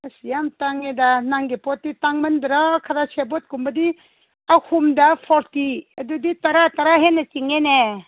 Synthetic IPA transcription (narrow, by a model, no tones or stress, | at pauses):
ɐsijamtaŋedanaŋɡepɔt̚ːitaŋmɐndɾakʰɐɾasebɔt̚kumbɐdi | ahumdapʰɔɾtiɐduditɐɾatɐɾaɦenɐt͡ʃiŋene